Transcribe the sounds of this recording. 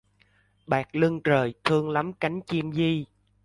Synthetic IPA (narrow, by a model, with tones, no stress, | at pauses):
ɓaː˨˩k̚lɨ˧ŋt͡ɕəː˨˩jt̪ʰɨ˧əŋla˨˦mka˨˦jŋ̟t͡ɕi˧mzi˧